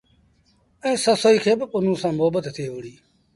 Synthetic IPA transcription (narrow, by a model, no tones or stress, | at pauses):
ɛ̃ːsəsoːiːkʰeːbɪʊnũːsãːmʊɦəbət̪t̪ʰeːʋʊɽ̤iː